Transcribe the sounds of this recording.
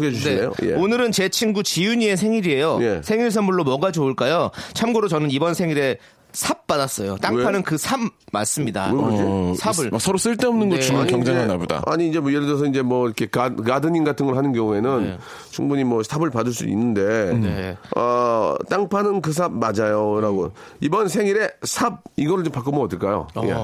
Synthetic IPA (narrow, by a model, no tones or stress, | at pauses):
ɯɡed͡ʑuɕʰneejo̰je̞̰onɯɾɯnt͡ɕe̞t͡ɕʰiŋɡut͡ɕijuɲie̞sʰe̞ŋiɾie̞joje̞sʰe̞ŋiɭs̬ʰʌmbuɭːomʌɡad͡ʑioɭk͈ajot͡ɕʰamɡoɾot͡ɕʌnɯnibʌnsʰe̞ŋiɾe̞ | sʰap̚p͈adas͈ʌjot͈aŋepʰanɯnkɯsʰab̚ma̰ɭs͈ɯmɲida̰ed͡ʑisʰabɯɭsʰʌɾos͈ɯɭt͈e̞ʌmnɯnɡʌt͡ɕumkjʌŋd͡ʑaeŋanaboda̰aɲiːnd͡ʑemojeɾɯdʌs̬ʰʌind͡ʑe̞mwʌiɾʌkʰe̞kakadɯɲinɡatʰɯnɡʌɭɦanɯnɡjʌŋue̞nɯn | t͡ɕuŋbuɲimwʌsʰabɯɭpadɯɭs͈ṵd̰ṵḭnːɯnde̞ | ʌ̰t͈aŋpʰanɯnkɯs̬ʰab̚mad͡ʑajoɾaɡo | ibʌnsʰe̞ŋiɾe̞sʰab̚iɡʌɾɯɭt͡ɕompak͈omoʌːdɯɭk͈ajo̰jḛ